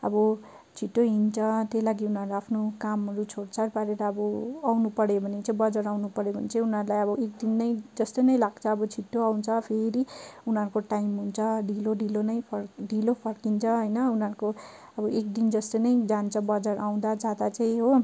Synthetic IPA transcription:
ʌ̰bʌ | t͡sʰiʈːoɦint͡sʰʌt̪elaɡiunɦʌɾuaapʰnokamɾut͡sʰoɽt͡sʰarpaɾeɾʌːbʌawnupʌɽebʱʌnet͡saĩbʌd͡zʌɾawnupʌɽjebʱʌ̰net͡sajunɦʌɾulajʌβʌekd̪inːʌjd͡zʌst̪ojnʌjlaɡt͡sʰʌːbʌt͡sʰiʈːoawnt͡sʰʌpʰeɾiunʌɾukoʈajimɦunt͡sʰʌɖiloɖilonʌjpʰʌrɖilopʰʌrkint͡sʰʌɦʌjnʌunɦʌɾuko | ʌbʌʔek̚d̪ind͡zʌst̪ojnʌjd͡zant͡sʰʌbʌd͡zʌɽaw̃d̪ad͡zad̪at͡saĩɦo

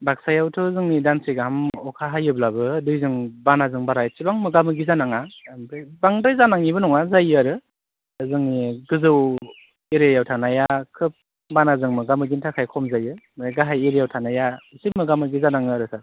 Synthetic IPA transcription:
bak̚sajawtʰɯzɯŋnidansɯjɡaɦamɔkʰaɦajɯblabɯdɯjzɯŋbanazɯŋbaɾajt͡ʃibaŋmɯɡamɯɡizanaŋadɯbaŋdɯjzanaŋibɯnɔŋazajɯaɾɯ | zɯŋniɡɯzɯw | eɾejawtʰanajakʰɯp̚ | banazɯŋmɯɡamɯɡintʰakʰajkʰɔmzajɯmɯɡaɦajeɾijawtʰanajaisimɯɡamɯɡizanaŋɯɾɯsa

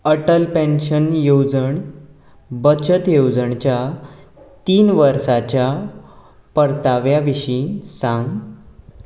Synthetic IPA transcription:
əʈəlpẽnɕənjod͡zəɳ | bət͡ɕət̪jowd͡zəɳt͡ɕja | t̪iːnʋəɾsat͡ɕja | pəɾt̪aʋjaʋiɕĩsãŋɡ

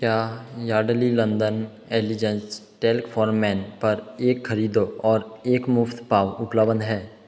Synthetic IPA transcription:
kjaːjaːɖlilə̃nd̪ən | eːlid͡ʒə̃nsʈeːlkfʰɔːɾmːɛːnpɐɾeːkxəɾiːd̪oɔːɾeːkmʊft̪ʰpaːʋʊpləbənɦɛː

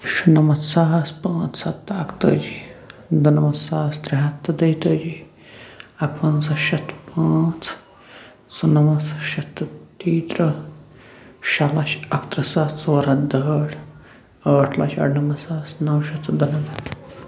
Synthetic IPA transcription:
ʃunɐmɐt̪saɦɐspãːt͡ssɐt̪ːɐkt̪ə̰ːd͡ʒid̪unɐmɐsaːɐsd̪ɾɐɦɐt̪ːɐd̪ɐjt̪əːd͡ʒi | ɐkʰʋɐnsɐʃɐt̪pãːt͡s | sunɐmɐt͡sʃɐt̪t̪iːt̪ɾɐ | ʃɐlɐʃɐkt̪ɾɐsat͡soːɾɐd̪ɐʈʰ | əːʈʰlɐʃɐ̰ʈnɐmɐsaːsnɐwʃɐt̪d̪unɐmɐt̪

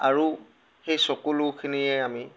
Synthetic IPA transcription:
aɹu | xejsɔkulʊkʰiniɛami

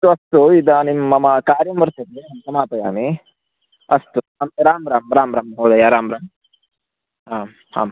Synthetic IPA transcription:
t̪uɐst̪uid̪animːɐmɐkaːɾjɐmʋɐɾt̪ɐt̪eɦɐntɐmaːp̪ɐja̰ːmi | ɐst̪u | ɐmiɾaːmɾaːmɾaːmɾaːmɦoːd̪ajaɾaːmɾaːm | ɦaːm | ha̰ːm

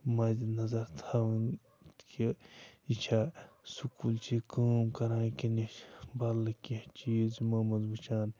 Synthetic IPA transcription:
maːzinɐzɐɾt̪ʰaːʋn | kʰiit͡ʃʰasukuːlt͡ʃʰikuːmkɐɾãːkinibɐlːɐkit͡ʃiːzmɐːmɐzbɐt͡ʃaːn

